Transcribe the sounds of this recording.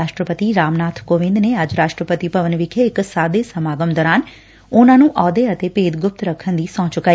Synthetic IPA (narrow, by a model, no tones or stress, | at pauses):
aːʃʈɾəpət̪iːɾaːmnaːt̪ʰkoːʋɪ̃nd̪neːəd͡ʒɾaːʃʈɾəpət̪iːpəʋənʋɪkʰeɪksaːd̪eːsəmaːɡəmd̪ɔːɾaːn | ʊnãːnũːʔɔːd̪eːət̪eːpeːd̪ɡʊp̚t̪ɾəkʰːənd̪iːsɔ̃ːt͡ʃʊkːaːi